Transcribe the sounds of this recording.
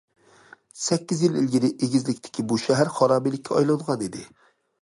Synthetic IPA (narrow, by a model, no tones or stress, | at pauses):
sɛkʲːizjililɡʲiɾɪʔeɡʲizlɪkʲt̪ʰɪ̥kʲʰibuʃæɦæɾχɑɾɑːmijlɪkʲʰːɛɑjlˠɑd̪əʁɑnid̪ɪ